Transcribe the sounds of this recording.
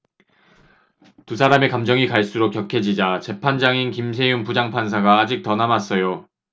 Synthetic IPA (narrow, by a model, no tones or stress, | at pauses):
tusʰaɾame̞kamd͡ʑʌŋikaɭs͈uɾokjʌkʰe̞d͡ʑid͡ʑat͡ɕe̞pʰand͡ʑaŋinkimsʰe̞junpud͡ʑaŋpʰans̬ʰaɡaːd͡ʑik̚tʌnamas͈ʌjo